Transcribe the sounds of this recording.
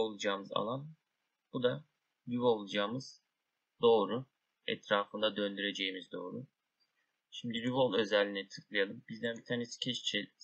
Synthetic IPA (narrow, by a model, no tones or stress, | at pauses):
olˠud͡ʒaːmɯza̰lˠan | b̥ud̪a | ɾyvo̞lˠud͡ʒaːmɯz̥ | d̪̥o̞ːɾu | ɛ̰t̪ɾaːfɯnd̪ad̪ø̞nd̪yɾe̞d͡ʒe̞jimizd̪o̞ːɾu | ʃimd̪iɾyvo̞lˠø̞zɛlʲːiːnɛt̪ʰɯ̥kʰlˠɯjalˠɯmbizd̪ænbit̪ʰaːnesi̥cʰɛt͡ʃt͡ʃʰɛ